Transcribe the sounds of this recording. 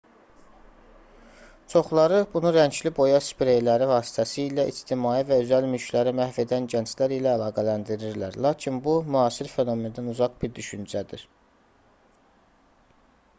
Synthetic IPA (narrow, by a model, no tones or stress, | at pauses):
t͡ʃʰo̞χlˠɑɾɯbunuɾæɲd͡ʒlibo̞jɑspɾe̞jlæɾivɑːsi̥t̪ʰæsiilæʔid͡ʒt̪ʰimɑːivæøzælmylcʰlæɾimæhve̞d̪ænɟænt͡ʃlæɾilæːlˠɑːɡælænd̪iɾiɾlæɾlˠɑːcʰinbumyɦɑːsiɾfe̞no̞me̞nd̪ænuzɑɡbiɾd̪yʃynd͡ʒæd̪iɾ̥